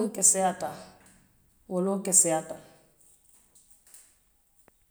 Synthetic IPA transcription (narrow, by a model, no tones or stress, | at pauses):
ŋkɛsɛata | wolokɛsɛata